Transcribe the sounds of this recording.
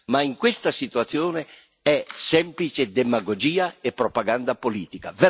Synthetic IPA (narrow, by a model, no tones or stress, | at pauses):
maiŋkwɪst̪asit̪uat̪sːjoːne | ɛsɛmplit͡ʃed̪emaɡod͡ʒiːaepːɾopaɡand̪apoliːt̪ikave